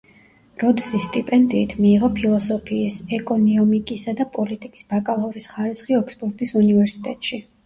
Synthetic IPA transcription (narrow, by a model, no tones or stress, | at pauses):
ɾɔd̪sist̪ʼipʼɛnd̪iːt̪ʰmiːʁɔpʰilˠɔsɔpʰiːsɛkʼɔniɔmikʼisad̪apʼɔlit̪ʼikʼi̥sbakʼalˠɔvɾisχaɾisχiɔkspʼɔɾt̪ʼisunivɛɾsi̥t̪ʼɛ̰t̪ʼʃi